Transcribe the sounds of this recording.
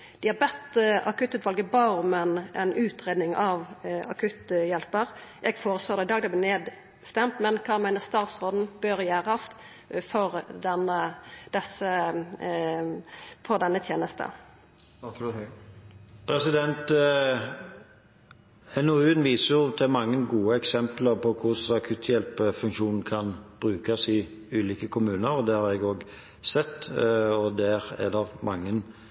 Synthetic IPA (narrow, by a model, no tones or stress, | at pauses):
d̪̥ɪhɑbɛt̪əɑ̰kʰʉt̪ːʉːt̪ʋɑlɡəbɑʁmɛnʔɛ̰nʉːt̪ɾeːd̪nɪŋɑʋɑkʰʉt̪jɛlpəʁʔɛɡfoːɾəsloːɾd̪ɛɪd̪ɑːɡd̪ɛɪb̪lɛneːd̪ | st̪ɛmt̪mɛnkʰɑːmæɪnəst̪ɑːt̪sʁoːd̪n̩bøːʁjæːʁɑst̪ | fɔʁd̪ɛnəd̪̥ɛsə | fɔd̪ɛnːət̪ʰjeːnəst̪ə̰ | pʰɾɛsɪd̪ɛnt̪ | ɛnoʉnʋiːsəjʊt̪ʰɪlmɑŋːənɡuːəɛksɛmpləɾpʰɔkʰʊsɑkʰʉt̪ʰjɛlpəfʉŋkʃuːnn̩kʰɑnb̥ɾʉːkɑsɪ | ʉːliːkəkʰʊmʉːnəɾɔd̪ɛhɑɾɛɡoːɡ | sɛt̪ːɔd̪æɾɛ̰d̪ɛmɑŋːən